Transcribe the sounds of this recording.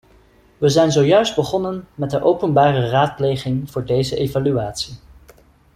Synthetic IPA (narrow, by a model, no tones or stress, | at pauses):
ʋəzɛjnzowjœɥsd̚bəχɔnənmɛt̚dəʔowpənbaːrəraːt̚plejχɪŋv̥ʊːɹdejzəʔejvalyaːtsi